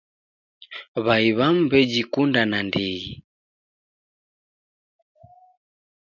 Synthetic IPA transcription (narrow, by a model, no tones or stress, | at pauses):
βaiβam̩bɛd͡ʒikundanandiɣi